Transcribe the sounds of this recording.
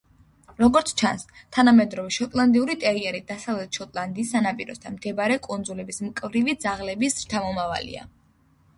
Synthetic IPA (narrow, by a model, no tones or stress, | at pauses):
ɾɔɡɔɾt̪sʰt͡ʃʰa̰nst̪ʰanamɛd̪ɾɔvɛʃɔt̪ʼlˠand̪iuɾit̪ʼɛɾiɛɾid̪asavlɛt̪ʰʃɔt̪ʼlˠand̪iːsːanapʼiɾɔ̰st̪ʰa̰nmd̪̥ʰɛbaɾɛkʼund̪zulɛbismkʼvɾivid̪zaʁlɛbisɾt͡ʃʰamɔmava̰lḭa̰